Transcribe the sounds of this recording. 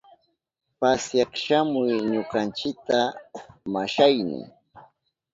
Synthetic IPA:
pasjɑχʃamʊjɲʊqant͡ʃɪk̚t̪amaʃajnɪ̰

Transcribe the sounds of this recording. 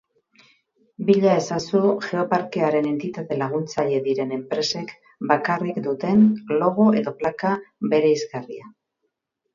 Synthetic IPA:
biʎae̞sasuʝe̞o̞paɾke̞aɾe̞ne̞nt̪it̪at̪e̞laɣ̞unt͡saʎe̞ðiɾe̞ne̞mpɾe̞se̞k | bakarikd̪ut̪e̞nlo̞ɣ̞oe̞ðo̞plakabe̞ɾe̞izɡarḭa

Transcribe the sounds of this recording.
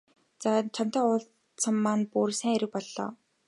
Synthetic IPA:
t͡sat͡ɕʰam̥t̪ɔːʊɮ | t͡sʰə̆mːanpuɾsæːŋeɾɘ̆k̚pɔɮːɔ̰ː

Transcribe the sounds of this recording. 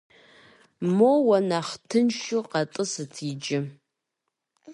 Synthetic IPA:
mowɐnaχtʰɨnʃuqɐtʼɨsɨtʰiːd͡ʒɪ

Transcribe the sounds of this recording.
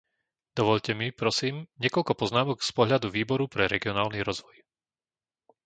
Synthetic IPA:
d̪̥ɔʋɔʎcɛmipɾɔsiːmɲɪɛkɔʎkɔpɔznaːmɔɡspɔɦʎad̪uʋiːbɔɾupɾɛɾɛɡiɔnaːlniɾɔzʋɔj

